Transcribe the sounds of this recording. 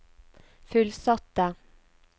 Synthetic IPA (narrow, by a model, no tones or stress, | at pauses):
fʉlsɑt̪ə